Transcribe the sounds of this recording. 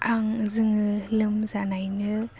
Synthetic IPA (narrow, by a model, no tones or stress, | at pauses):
ʔaŋzɯŋɯlɯmzanajnɯ